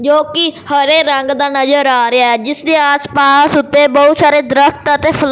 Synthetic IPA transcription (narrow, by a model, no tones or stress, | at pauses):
d͡ʒoːkɪhəɾeːɾəŋɡd̪aːnəzəɾaːɾɪaːɛːd͡ʒɪsd̪eːaːspaːsʊt̪ːeːbəɦt̪saːɾeːd̪ɾəkt̪ət̪eːpʰəl